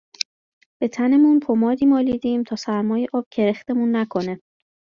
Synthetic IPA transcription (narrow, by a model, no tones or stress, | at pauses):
b̥e̞t̪ʰænemunpʰomɒːd̪iːmɒːliːd̪iːmt̪ʰɒːsæɾmɒːjeʔɒːb̥̚cʰe̞ɾext̪e̞munːækʰo̞ne